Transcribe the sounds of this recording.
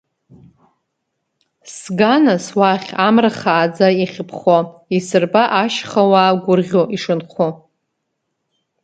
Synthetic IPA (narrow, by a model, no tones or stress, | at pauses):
sɡanaswaχʲamraχaːd͡zaiχʲpʰχoisɨrbaʔaʃχawaːɡʷʊrʁʲoʔiʂɨnχʷʰo